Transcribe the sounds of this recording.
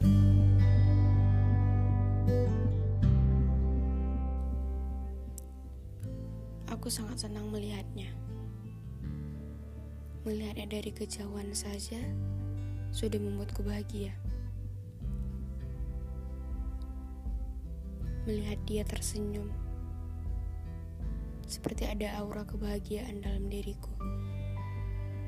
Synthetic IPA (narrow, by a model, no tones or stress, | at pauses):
akusaŋat̪̚sənaŋməliɦat̪̚ɲa | məliɦat̪̚ɲadaɾikəd͡ʒawansad͡ʒa | sudahməmbuat̪̚kəbaɦaɡia | məliɦat̪̚diat̪ərsəɲʊm | sə̥pərt̪iadaːuɾakəbaɦaɡiaʔandalamdiɾiku